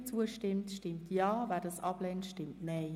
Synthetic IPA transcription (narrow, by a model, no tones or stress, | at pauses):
t͡suəʃtɪmtʃtɪmtjɑːvæːdɑːsʔɑblɛntʃtɪmtnɛɪ